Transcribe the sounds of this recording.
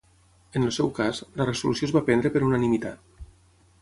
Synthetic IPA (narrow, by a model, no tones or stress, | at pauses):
ənlsɛwkazlərəsulusijozβapɛnd̪ɾəpəɾunanimit̪a̰t̪̚